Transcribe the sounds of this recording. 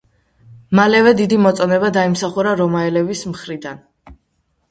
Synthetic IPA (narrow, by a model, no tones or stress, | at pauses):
malɛvɛd̪id̪imɔt̪sʼɔnɛbad̪aimsaχuɾaɾɔmaɛlɛvismχɾid̪an